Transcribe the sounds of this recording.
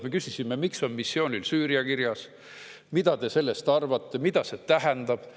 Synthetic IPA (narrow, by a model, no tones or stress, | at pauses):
me̞kysisimemikso̞nmisːjo̞ːnʲilsyːɾijɑkiɾjɑs | mid̪̥ɑt̪e̞se̞lːest̪ɑrvɑt̪ːˑe̞mid̪ɑse̞t̪æɦɛnd̪̥ɑb̥